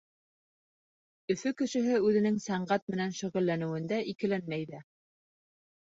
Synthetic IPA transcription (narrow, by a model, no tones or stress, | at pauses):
ɵ̆fɵkɵ̆ʃɘ̆ɦɘʉðɘ̆nɘŋsæɴɢæt̪̚mɘ̆nænʃɵ̆ʁɘ̆lːænɘ̆wɘ̆nd̪æʔikɘ̆lænmæjðæ